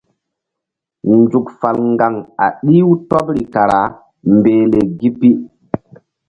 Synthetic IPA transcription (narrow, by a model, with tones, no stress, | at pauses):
nd͡ʒu˨kfa˨lŋɡa˨ŋa̰˨ɗi˦wu˦to˦p̚ɾi˨ka˨ɾa˨ | mbeː˨le˨ɡi˦pːi˦